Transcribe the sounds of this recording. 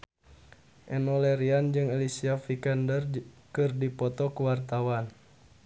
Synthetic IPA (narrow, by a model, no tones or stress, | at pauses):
ʔɛnɔlɛɾiand͡ʒɨŋɛlisiafikandərkɨrdipɔt̪ɔkuwart̪awan